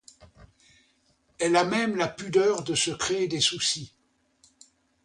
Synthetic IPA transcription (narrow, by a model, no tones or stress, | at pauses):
ɛlamɛmlapyd̪œʁd̪əsəkχeed̪esusi